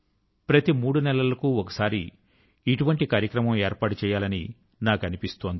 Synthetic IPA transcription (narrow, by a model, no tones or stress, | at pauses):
pɾɐt̪imuːɽunɛlɐlɐkuːɔkɐ̥saːɾiː | ʈuʋɐɳʈikaːɾjɐkɾɐmɐmeːɾpaːʈut͡ʃɛːjaːlɐni | naːkɐnipist̪oːnd̪i